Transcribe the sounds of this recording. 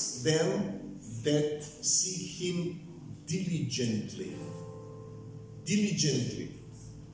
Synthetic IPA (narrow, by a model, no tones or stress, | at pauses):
ðɛ̃mðɛtsihɪ̃m | dɪlid͡ʒɛ̃ntʰlḭ | dɪlid͡ʒɛ̃ntlḭ